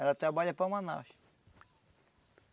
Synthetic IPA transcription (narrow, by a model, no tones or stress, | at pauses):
ɛlɐt̪ɾabaʎɐpɐmãna̰wʃ